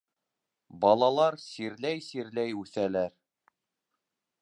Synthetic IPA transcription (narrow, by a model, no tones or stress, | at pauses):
bɑlˠɑlˠɑɾsiɾlæjsiɾlæjʉθælæɾ